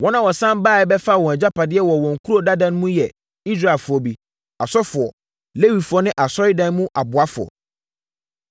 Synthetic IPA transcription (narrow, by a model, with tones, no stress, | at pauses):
wɔ̃˦nã˦wɔ˨sã˦m˦baː˦˨ɛ˦bɛ˦fa˦˨wɔ̃˨d͡ʑa˦pa˨dɪ˦ɛ˦wɔ˨wɔ̃˨ŋ̩˨kʰu˦ɾo˦˨da˦dã˦n˦mũ˦jɛ˨ | i˦s̬ɾa˦˨fʊ˨ɔ˨bi˨ | a˨sɔ˦fʊ˨ɔ˨ | le˦wi˨fʊ˨ɔ˦nɪ̃˦ʔa˨sɔ˦ɾɪ˦dã˦n˦mũ˦ʔa˨bʊ˨a˦fʊ˨ɔ̰˨